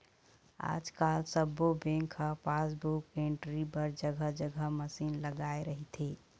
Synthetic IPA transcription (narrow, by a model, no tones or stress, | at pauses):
a̰d͡ʒkalsəbːobẽŋkʰəpasbukeɳʈɾipəɾd͡ʒəɡʱəd͡ʒəɡʱəməsinləɡaeɾəɦit̪ʰi